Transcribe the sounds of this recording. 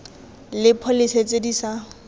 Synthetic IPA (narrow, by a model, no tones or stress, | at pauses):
lɪpʰɔlɪset͡sʼedisa